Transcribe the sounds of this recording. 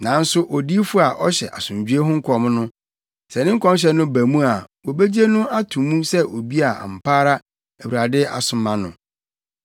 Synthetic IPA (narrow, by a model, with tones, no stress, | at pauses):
nã˨˦n̩˦sʊ˦ʔɔ˨di˦fʊ˦a˨ʔɔ˦ɕɛ˨ʔa̰˨sʊ̃˨ɲ˨d͡ʑᶣɥe˦ɦʊ̃˦ŋ̩˦kʰɔ˨m˦nʊ̃˦ | sɛ˨nɪ̃˦ŋ̩˦kʰɔ̃˦m˦ɕ̬ɛ˦nʊ̃˦bæ˨mũ˦a˨wo˨bæ˦d͡ʑi˦e˦nʊ̃˦a˦tʰũ˨mũ˦sɛ˦ʔo˨bi˦a˨a̰˨m̩˨pʰaː˦ɾa˦ | æ˨wɾa˨dɪ˦a̰˨sʊ̃˨mːã˨nʊ̰̃˨